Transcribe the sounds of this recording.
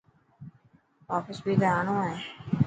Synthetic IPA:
ɔːfɪsbʱiːd̪əɾaːnõːɦɛː

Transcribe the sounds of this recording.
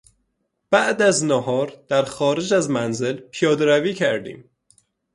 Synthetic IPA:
b̥æʔd̪æznɒɦɒːɾd̪̥æɾxɒːɾed͡ʒæzmænzelpʰijɒːd̪eɾæviːcʰæɾd̪ḭːm

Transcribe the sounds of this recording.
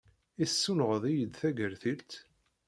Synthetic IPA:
isːunʁəðˤijəd̪θæɡəɾθilt̪

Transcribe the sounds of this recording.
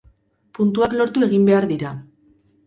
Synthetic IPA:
punt̪̬uaklo̞ɾt̪ue̞ɣimbe̞aɾðiɾa

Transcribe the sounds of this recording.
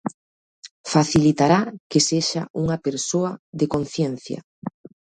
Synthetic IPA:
faθilit̪aɾakeseʃaʔuŋɐpeɾsoɐðekon̟θjen̟θjɐ̰

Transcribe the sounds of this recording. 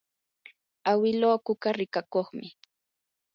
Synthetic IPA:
awɪloːkʊkaɾɪkakoχmɪ

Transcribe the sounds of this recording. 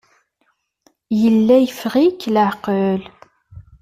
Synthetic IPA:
jəlːæjəfʁikləʕqəl

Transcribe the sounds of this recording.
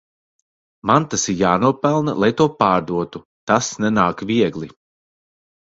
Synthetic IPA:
mant̪asiɾjaːnuɔpɛlˠnalˠajt̪uɔpaːɾd̪uɔt̪u | t̪asnɛnaːkvʲiɛɡlˠi

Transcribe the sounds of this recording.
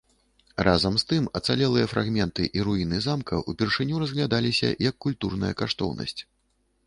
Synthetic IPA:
rʔazɐmst̪ɨmɐt̪salʲɛlˠɨjɐfɾʔaɣmʲɛnt̪ɨ̰ʔiɾuinɨzamkɐ̰ʔupʲɛrʂɨnʲuɾɐzɣlʲad̪alʲisʲɐ̰jɐkːulʲt̪urnɐjɐkaʂt̪ɔ̰wnʔɐ̰sʲt͡sʲ

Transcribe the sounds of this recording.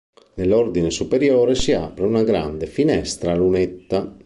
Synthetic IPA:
nelɔrd̪inesupeɾjɔːɾesia̰pɾeunaɡɾa̰nd̪efinɛst̪ɾalunet̪ːa

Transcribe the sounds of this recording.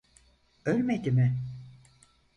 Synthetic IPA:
ølʲmed̪imɪ

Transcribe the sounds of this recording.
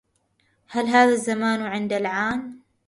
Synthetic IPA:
halɦaːðazːamaːnwʕɪnd̪alʕaːn

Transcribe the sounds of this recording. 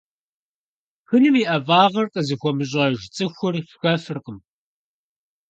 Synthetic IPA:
xɨnɨmiʔɐvaːʁɐrqʼəzixʷɔmɨɕ̬ʼɐʒt͡sʼɨxʷʊrɕxɐfɨrqəm

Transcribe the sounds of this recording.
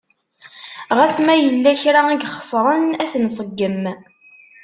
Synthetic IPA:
ʁæsmæjəlːæçɾaiɡχə̥sˤɾˤənæθnsˤəɡːəm

